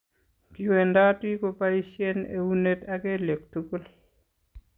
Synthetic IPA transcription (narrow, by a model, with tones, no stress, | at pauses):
ki˨we˨nda˦ti˦ko˨pa˦i˦se˦ne˦wu˦ne˦taɡe˦le˨k̚tu˦ku˦l